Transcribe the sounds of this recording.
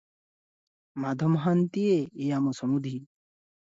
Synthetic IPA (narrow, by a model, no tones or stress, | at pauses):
mad̪ʱɔmɦant̪ieejamɔsɔmud̪ʱi